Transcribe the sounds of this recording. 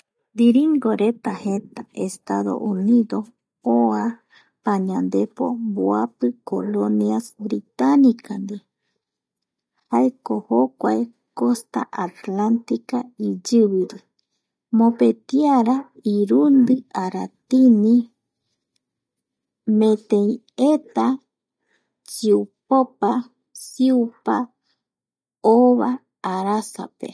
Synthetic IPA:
d̪iɾiŋɡoɾet̪ahet̪aʔest̪aðo̞̰ʔuniðo̞ | oa | paɲãnd̪e̞po̰mboapɨkoloniasbɾit̪anikand̪i | haekohokʷae | ko̞st̪a̰ʔat̪lant̪ikaid͡ʒɨβiɾi | mopet̪iaɾaiɾund̪ɨʔaɾat̪ini | mẽt̪ẽĩ | et̪a | t͡ʃiupopa | siupa | oβaː | ɾasa̰pḛ

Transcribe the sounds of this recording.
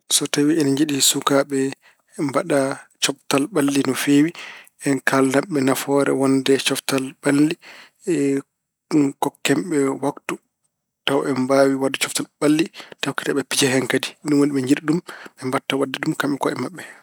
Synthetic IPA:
sɔtawiɛnaɲd͡ʒiɗisukaɓɛ | mbaɗat͡ʃɔftalɓalːinɔfewi | ɛnkʰalnaɓɛnafɔɾɛ̰wɔndɛt͡ʃɔftalɓalːi | kɔkːɛmɓɛwaktu | tawɛmbaːwiwadːɛt͡ʃɔftalɓalːitawki̥taɓɛpid͡ʒɛɦɛŋkadiɗumwoniɓɛɲd͡ʒiɗɗumɓɛmbatːawadːɛdumkamɓɛkɔɛmaɓːɛ

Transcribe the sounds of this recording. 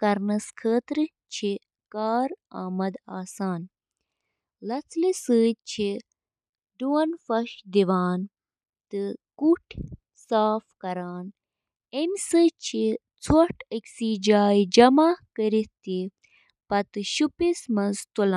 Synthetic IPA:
kɐɾnɐskʰəːt̪ɾɨ | t͡ʃʰi | kaːɾaːmɐd̪aːsaːn | lɐt͡sʰlisɨːt͡ʃʰi | ɖuwɐnfɐʃd̪iʋaːn | t̪ɨkuʈʰ | saːfkɐɾaːn | emʲsɨt͡ʃʰi | t͡sʰwɐʈʰəkʲsiːd͡ʒaːjd͡ʒɐmaːkəɾit̪i | pɐt̪ɨʃupismɐnzt̪ulaː

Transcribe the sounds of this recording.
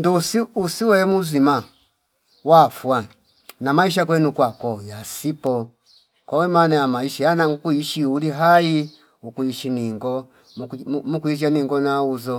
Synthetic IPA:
ndusiusiwɛmuzima | wafwa | namaiʃ̬ak̬wɛnukwakɔjasipɔ | kwawɛmanajamaiʃajanaŋɡukuiʃiuliɦai | ukuiʃiniŋɡɔ | mukuiʃ̬aniŋɡɔnauzɔ

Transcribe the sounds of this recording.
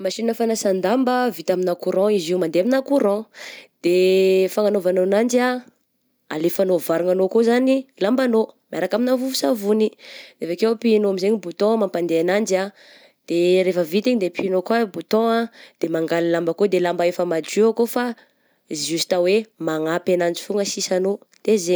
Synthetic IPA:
maʃinnəfanasand̪ambəvit̪aminakuɾɔ̃iziumand̪eaminakuɾɔ̃d̪̥efaŋanovanonand͡ʒia | a̰lefanovaɾuŋanokozanilambanomaɾakaminavuvusavuniɾefakewpinoamizeɲibut̪ɔ̃mampand̪eanand͡ʒa | d̪̥eɾefəvit̪iɲd̪epinokabut̪ɔ̃ad̪̥emaŋɡalilambakod̪elambaefəmad͡ʒiakofa | zust̪awemaŋapanand͡ʒifuŋəsisano | d̪̥eze

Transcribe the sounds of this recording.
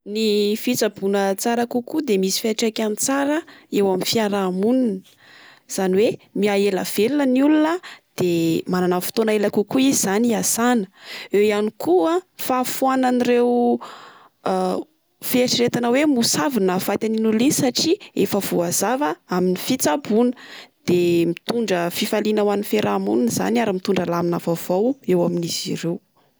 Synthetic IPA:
nifit͡sabunət͡saɾakukud̪emisi̥faʈ͡ʂakʲanit͡saɾəewaminfiaɾamunin | z̥aniwemiaela̰v̥elunəniulunəd̪̥emananafi̥t̪onaelakukuiziz̥aniasanə̥ewianikuafafuananiɾew | feaʈ͡ʂiɾet̪anawemusavinəfat̪aninulinsaʈ͡ʂiefəv̥uaz̥avəaminifit͡sabunə̥d̪̥emit̪uɳɖ͡ʐəfifalinawanifeɾʔamṵnunz̥a̰niaɾəmit̪uɳɖ͡ʐalaminavav̥owewaminiziɾew

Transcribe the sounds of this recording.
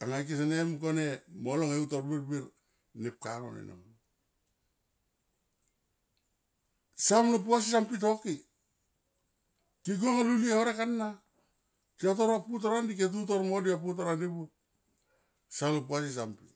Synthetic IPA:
aŋajk̬is̬enemkonemoloŋeutoɾbiɾbiɾ | nep̚kano̰nḛno̰ŋ | samlop̬uas̬isampit̬o̞ki | kiɡ̬uoŋaluliehoɾekanːa | kiotoɾaput̬oɾandik̬et̬ut̬oɾmodiap̬ut̬oɾandibu | samlop̬uas̬is̬ampi

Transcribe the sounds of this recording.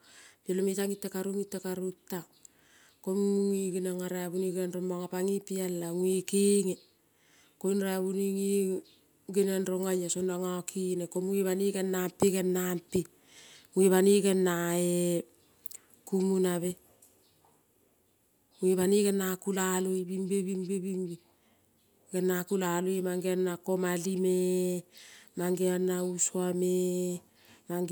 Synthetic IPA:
pelomitaŋitːakaɾuŋitːakaɾutːa | komuŋiɡinaŋaɾaaβuniɡanɾombaŋapaŋipialːaŋuikiŋe | konɾaaβuniŋi | ɡinanɾoŋajasonaŋakʰinekomuiβaniɡanːampiɡanːampi | ueβaniɡanːae | kumunaβe | uiβaniɡanakulaluibimbeβimbibiŋbi | ɡanːakulaluimaŋɡeanːakomalime | maŋɡeanːausuame | ma

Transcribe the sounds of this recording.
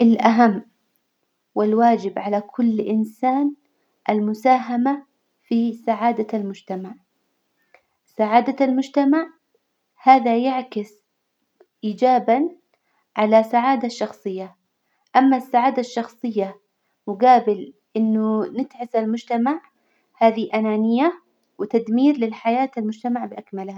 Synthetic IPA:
ʔɪlʔaɦamː | wɪlwaːd͡ʒɪbʕalakʰʊlːʔɪnsaːn | ʔalmʊsaːɦama | fisaʕaːd̪almʊd͡ʒt̪amaʕ | saʕaːd̪almʊd͡ʒt̪amaʕ | haːðajaʕkɪs | ʔiːd͡ʒaːban | ʕalasaʕaːd̪aʃːɑxsˤɨjːa | ʔamːasːaʕaːd̪aʃːɑxsˤɨjːa | wɪɡaːbɪl | ʔɪnːʊnɪt̪ʕɪsalmʊd͡ʒt̪amaʕ | haːðiʔanaːnɪjːa | wɪt̪ad̪miːɾlɪlħajaːt̪almʊd͡ʒt̪amaʕbʔakmalha

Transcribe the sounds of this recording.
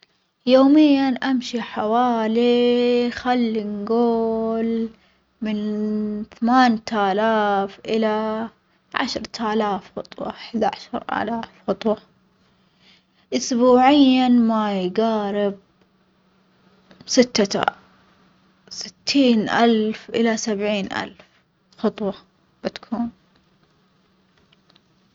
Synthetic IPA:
joːmɪjːanʔamʃiħawaːlixalːinɡoːl | mɪnθamaːnt̪aːlaːfʔɪla | ʕa̰ʃɾˤt̪ʰalaːfxɑ̰t̪ˤwɑ̰ʔħd̪aʕaʃɑɾˤʔa̰laːfxɑt̪ˤwɑ | ʔʊsbuːʕɪjːamajɡaːɾɪb̚ | sɪt̪ːaa̰ | sɪ̥t̪ʰːiːnʔalfʔɪlasabʕiːnʔa̰lf | xɑt̪ˤwɑ | b̥ɪt̪kʰuːn

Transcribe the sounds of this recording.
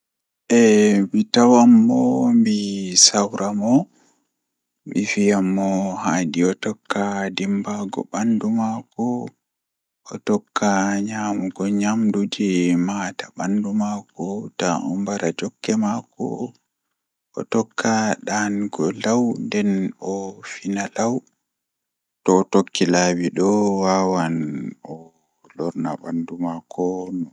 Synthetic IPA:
ʔɛmitawamːɔmbisawɾʔamɔ | mifijamːɔhaːdiɔtɔkːadimbaɡɔ̰bandumakɔ | ʔɔtɔkːaɲaːmuɡɔɲamdud͡ʒɛmatabandumakɔtaʔɔ̰mbaɾad͡ʒɔkːɛmakɔ̰ | ʔɔ̰tɔkʰːaɗanɡɔlawndɛnɔfinalaw | tɔːtokːilabiɗɔwaːwanɔ | lɔɾnaɓandumakʰɔnɔ

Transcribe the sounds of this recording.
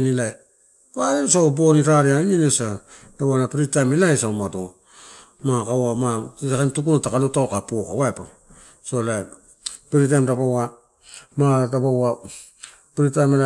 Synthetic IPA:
nilaj | waensaboniɾaɾianinesa | dabanapiɾitajmilajsawmado | makawamaakantukunotakalutawkapuoka̰waepa | solaj | piɾit̬ajmɾapawa | matabawa | piɾitajmel

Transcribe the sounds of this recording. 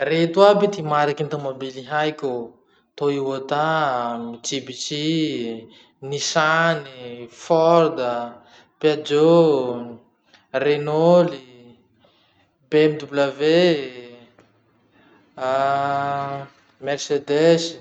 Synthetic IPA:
ret̪uabit̪imaɾakint̪amabiliɦajkʲu | t̪oiwot̪amid͡ʒibit͡si | nisanifɔrd̪ə | pead͡ʒo | renoli | bemid̪ublave | mersed̪es

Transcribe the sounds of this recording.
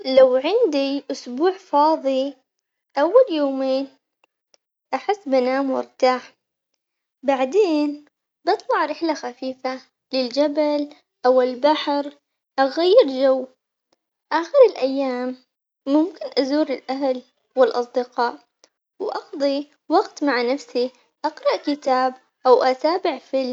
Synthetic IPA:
lawʕɪnd̪iʔʊsbuːʕfɑːðˤi | ʔawːaljoːmeːn | ʔaħɪsːbanaːmwɪ̰ɾt̪aːħ | baʕd̪eːn | bɨt̪ˤlɑʕɾɪħlaxafiːfa | lɪld͡ʒabal | ʔawɪlbaħɾ | ʔaɣajːɪɾd͡ʒawː | ʔaxɪɾɪlʔajːaːmː | ʊmkɪnʔazuːɾɪlʔaɦal | wɪlʔɑsˤd̪ɪqɑːʔ | wʔɑxd̪ˤi | wɑɡt̪maʕnafsi | ʔɑqɾˤɑʔkɪt̪aːb | ʔawʔat̪aːbɪʕfɪl

